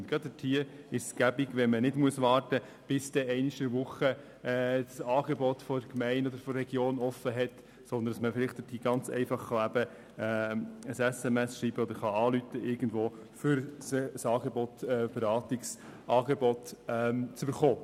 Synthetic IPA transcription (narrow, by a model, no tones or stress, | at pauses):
ntɡ̥ɾɑdətʰiəɾɪʃsɡ̥æbiɡʋɛnmənɪdmuəsʋɑːrtə | b̥ɪsd̥ɛɛɪniʃəɾʋʊχə | d̥sɑːɡ̥ɛbɔtfɔkmɛɪnɔd̪əɾfɔɾːɛɡjoːnɔfːəɦɛt | sɔnd̪əndɑsməfɪlɪχt̚d̥ətʰiːɡɑnt͡sɛ̰ɪfɑχːɑæbə | ɛːəsɛsɛmɛsʃɾiːb̥əɔd̪əɾχɑɑːlytəʔɪɾɡən̩d̪ʋoː | fʏɾssɑːɡɛbɔt̪ɛb̥ɛɾɑːt̪ɪksʔɑːɡɛbɔt̪ɛmt͡sʏb̥əɾχoː